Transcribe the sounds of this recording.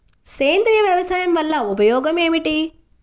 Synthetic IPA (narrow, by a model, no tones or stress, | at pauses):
seːnd̪ɾijɐʋjɐʋɐsaːjɐmʋɐlːaupɐjoːɡɐmeːmiʈi